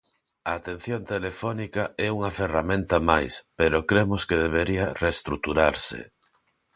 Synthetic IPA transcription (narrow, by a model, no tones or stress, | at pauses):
aːt̪en̟θjont̪elefɔnikaɛuŋɐferamẽnt̪ɐmajspeɾokɾemoskeð̞eβeɾiareːst̪ɾuk̚t̪uɾaɾsḛ